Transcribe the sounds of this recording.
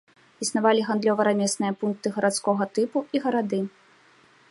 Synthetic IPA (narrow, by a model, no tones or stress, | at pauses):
isnavalʲiɣand̪lʲɔvɐɾamʲɛsnɨjɐpunk̚t̪ɨɣɐɾat̪skɔɣɐt̪ɨpuiɣɐɾad̪ɨ